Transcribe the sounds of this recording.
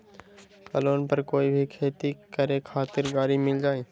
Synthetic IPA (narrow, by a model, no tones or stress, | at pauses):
kəloːnpɐɾkoːibʱikʰeːt̪ikəɾekʰaːt̪ɪɾɡaːɾimɪld͡ʒaːeː